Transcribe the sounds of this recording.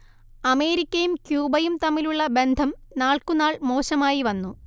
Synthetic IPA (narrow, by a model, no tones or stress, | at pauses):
ɐme̞ːɾikʲːɐjumkjuːbɐjumt̪ɐmːiluɭːɐbe̞nd̪ʱɐmnaːɭkunaːɭmo̞ːɕɐmaːjiʋɐnːu